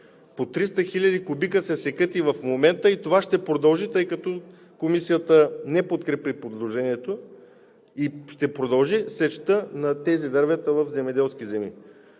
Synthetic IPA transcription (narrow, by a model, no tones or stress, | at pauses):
pot̪ɾist̪əxilʲɐd̪ikʊbikəsɛsɛkɤt̪ivɐfmomɛnt̪əit̪ovaʃt̪ɛpɾod̪ɐlˠʒit̪ɤjkɐt̪ɔ | komisijət̪ənɛpot̪kɾɛpipod̪lˠoʒɛniɛt̪o | iʃt̪ɛpɾod̪ɐlˠʒisɛʃt̪ənɐt̪ɛzid̪ɐɾvɛt̪əvɐfzɛmɛd̪ɛlˠsk̟izɛmi